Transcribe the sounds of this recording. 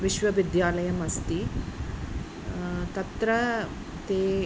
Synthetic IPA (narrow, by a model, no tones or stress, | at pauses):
ʋiʃʋɐʋid̪jaːlɐjɐmɐst̪i | t̪ɐt̪ɾɐ | t̪eː